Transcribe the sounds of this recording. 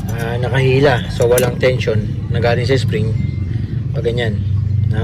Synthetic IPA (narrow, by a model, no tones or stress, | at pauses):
ʔanɐkɐhiːlasowɐlaŋt̪ɛnʃo̞nː | ɐɡaːlɪnsɐɪspɾɪŋ | bɐɡɐɲanːɐ